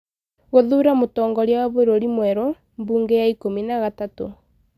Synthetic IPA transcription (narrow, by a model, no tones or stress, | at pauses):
ɣoðuːɾamotɔːŋɡɔɾawaβeɾoɾimwɛɾo | mbuːŋɡejaikominaɣatato